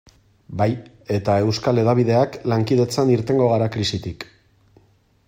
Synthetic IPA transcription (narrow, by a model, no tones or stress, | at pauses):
baj | e̞t̪ae̞wskale̞ðaβ̞ið̞e̞aklaŋkið̞e̞t͡saniɾt̪e̞ŋɡo̞ɣ̞aɾakɾisit̪ik